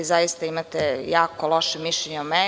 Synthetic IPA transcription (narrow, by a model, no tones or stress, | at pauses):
izajist̪aimat̪ejaːkolˠoʃemiʃʎeɲeume